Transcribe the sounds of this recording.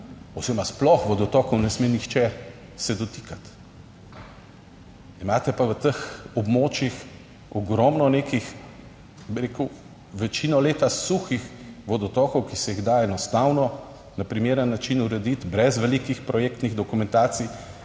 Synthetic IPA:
owzemasplɔxʋɔd̪ɔt̪ɔːkɔwnɛsmenixt͡ʃɛ | sɛd̪ɔt̪i̥kat̪ | imaːt̪ɛpaʋət̪əxɔbmoːt͡ʃjix | ɔɡɾɔmnɔneːkix | biɾekəw | ʋɛt͡ʃinɔleːt̪asuxixʋɔd̪ɔt̪ɔːkɔwkisɛjiɣd̪aɛnɔst̪awnɔ | napɾimeːɾənːat͡ʃinuɾɛd̪it̪bɾɛzʋɛlikixpɾɔjɛk̚t̪niɣd̪ɔkumɛnt̪aːt̪sij

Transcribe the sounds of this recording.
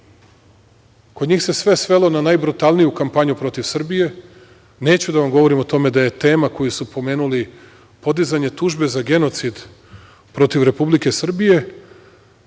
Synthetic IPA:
kod̪ɲiːxse̞sʋe̞sʋe̞lo̞nanajbɾut̪alˠnijukampaɲupɾo̞t̪iʋsr̩bije̞ | ne̞ːt͡ɕud̪aʋamɡo̞ʋo̞ɾimo̞t̪o̞me̞d̪aje̞t̪e̞ːmako̞jusupo̞me̞ːnuli | po̞d̪izaɲe̞t̪uːʒbe̞zaɡe̞no̞t̪sid̪ | pɾo̞t̪iʋɾe̞publike̞sr̩bije̞

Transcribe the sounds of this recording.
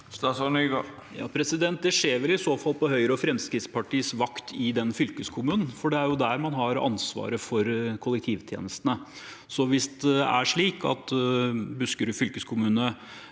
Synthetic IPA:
st̪ɑːsɑnyːɡɑ | jɑ̰ːpʰɾɛsɪd̪ɛnt̪̚d̪ɛʂeːɾʋɛlɪsoːfɑlpɔɦœʏɾəɔfɾɛmskɾɪt̪spɑʈʰiːsʋɑkt̪ʰɪd̪ɛnfʏlkəskʰʊmʉːnn̩fɔɖɛæɾjʊd̪æɾmɑnɦɑɾɑ̰nsʋɑ̰ːɾəfɔɾkʰʊlːɛkt̪ʰiːʋt̪ʰjḛːnəst̪ənə | sɔʋɪstd̪ɛɛʔæ̰ʂɭiːkʰɑ̰t̪bʉskəɾʉfʏlkəskʰʊmʉːnə

